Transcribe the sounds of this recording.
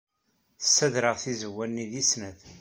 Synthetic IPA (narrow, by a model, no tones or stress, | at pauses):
θə̥sːæðɾəʁθizəwːænːiðisnæð